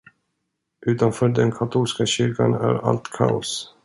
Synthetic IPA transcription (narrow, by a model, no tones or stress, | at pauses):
ʔʉ̟ːt̪anfœːɖɛnkʰat̪ʰuːlskaɕʏɾka̰næ̰ɾa̰lt̪kʰa̰ʊs